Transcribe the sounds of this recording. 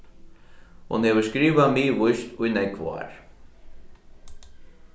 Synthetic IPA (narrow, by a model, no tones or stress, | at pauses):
hṵnhɛvʏ̥skɾiːvamiːvʊjst̪ujnɛkʰv̰a̰ɾ